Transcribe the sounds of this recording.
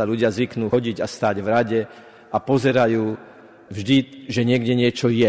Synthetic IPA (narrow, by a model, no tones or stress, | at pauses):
aluɟɪazʋiknuːɔɟiɟast̪aːɟvɾaɟɛ | apɔzɛɾajuː | vʒd̪iʒɛɲɪɛɡɟɛɲɪɛt͡ʃɔjɛ